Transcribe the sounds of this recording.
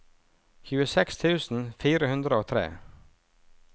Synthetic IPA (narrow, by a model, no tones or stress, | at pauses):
çʉːəsɛkst̪ʰʉːsn̩fiːɾəhʉnd̪ɾəoːt̪ʰɾḛː